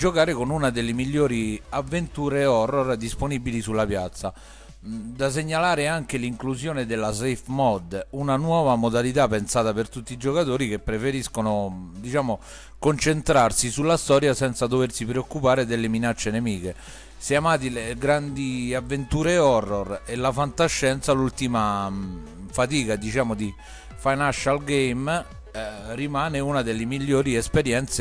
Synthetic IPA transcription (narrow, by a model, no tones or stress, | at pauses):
d͡ʒokaːɾekonunad̪elːemiʎːɔːɾiavːent̪uːɾeɔrːɔrd̪isponibilisulːapjat̪sːa | d̪as̬eɲːalaːɾeaŋk̟eliŋklusjoːned̪elːas̬ejfmɔd̪ːunanwɔːvamod̪alit̪̬apːensaːt̪apert̪ut̪ːid͡ʒokat̪oːɾik̟epːɾefeɾiskonod̪it͡ʃaːmo | kont͡ʃent̪ɾarsisulːast̪ɔːɾjasɛnt̪sad̪oversipɾeokːupaːɾed̪elːeminat͡ʃːenemiːke | seamaːt̪̬ileɡɾand̪iavːent̪uːɾeɔrːorelːafant̪aʃːɛnt̪salult̪ima | fat̪iːkad̪it͡ʃaːmod̪i | fajnaʃalɡejm | rimaːneunad̪elːemilːoːɾiespeɾjɛnt̪se